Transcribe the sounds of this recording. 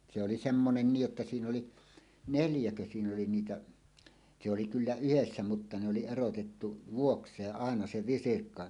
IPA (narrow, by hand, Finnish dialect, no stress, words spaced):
se oli semːonen niːj jotːɑ siːn oli neljækø siːn oli niːtæ se oli kylːæ yhesːæ mutːɑ ne oli erotetːu ʋuoksˑeːʔ ʔɑˑenɑ se ʋisirkːɑ